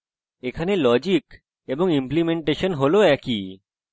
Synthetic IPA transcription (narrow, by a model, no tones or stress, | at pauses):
ekʰanelɔd͡ʑik | eboŋimplimeɳʈeʃonɦoloɛki